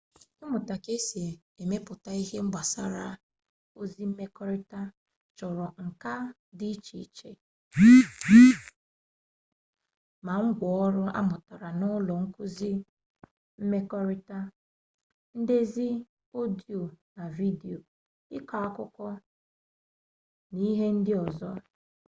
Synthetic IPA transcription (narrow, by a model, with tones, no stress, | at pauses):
ɪ˦mʊ˨ta˨ke˦si˨ | e˨me˦pʊ˨ta˦i˦ɦe˦ŋ͡m̩˦ɡ͡ba˨sa˦ɾa˦ | o˦zi˦m̩˦me˦kɔ˦ɾi˦ta˦ | t͡ʃɔ˨ɾɔ˨ŋ̩˨ka˦ | dɪ˦t͡ʃḭ˨˦t͡ʃḛ˦ | ma˨ŋ̩˦ɡʷɔ˨ɔ˦ɾʊ˦a̰˦mʊ˨ta˨ɾa˨nʊ˦lɔ˨ŋ̩˦ku˦zi˦ | m̩˦me˦kɔ˦ɾi˦ta˦ | n̩˦de˦zi˦ | o˦di˨o˨na˨vi˦di˨o˨ | ɪ˦ka˨a˦kʊ˦kʷɔ˦ | ni˦ɦe˦n̩˦dɪ˦ɔ˨zɔ˦